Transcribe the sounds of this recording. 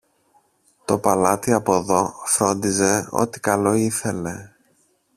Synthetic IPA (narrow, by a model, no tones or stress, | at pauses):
t̪o̞pɐlɐt̪iɐpo̞ðo̞fɾo̞nd̪ize̞o̞̰t̪i̥kɐlo̞iθe̞le̞